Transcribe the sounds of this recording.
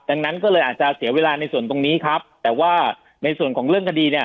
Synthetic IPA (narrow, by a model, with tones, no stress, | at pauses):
da˧ŋna˦˥nkɔː˥˩lɤː˧jʔaː˨˩t̪̚t͡ɕa˨si˨˩˦əweː˧laː˧na˧jsu˨˩ənt̪o˧ŋniː˦˥kʰɾa˦˥p̚t̪ɛː˨˩waː˥˩ | na˧jsu˨˩ənkʰɔː˩˦ŋɾɯ˥˩əŋkʰa˧diː˧ni˥˩ɐ